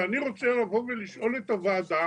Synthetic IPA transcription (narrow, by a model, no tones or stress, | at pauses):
aniʁo̞t͡selavo̞veliʃʔo̞le̞t̪avaːd̪a